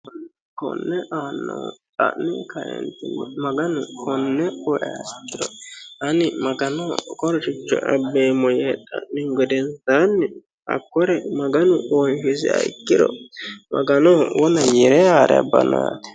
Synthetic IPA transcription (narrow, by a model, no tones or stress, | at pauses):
ɐn | kɔ̰nːɛʔaːnːɐwt̪ʼɐ̰ʔnɪkɐɾɛ̰nt̪ɪnmɐɡɐnʊkʰɔnːɛɔʔɛɐjkːɪdɔɐnɪmɐɡɐnɔkɔɾɔt͡ʃɪt͡ʃːɔ̰ʔɐbeːmɔjɛt̪ʼɐʔnɪɡɔd̪ɛnsanːɪ | ɐ̰kːɔɾɛmɐɡɐnʊɔjhɪzɪɐ̰jkːɪɾɔ̰mɐɡɐnɔwɔnɐjɛɾɛaːɾɛ̰bɐ̰naːt̪ɛ̥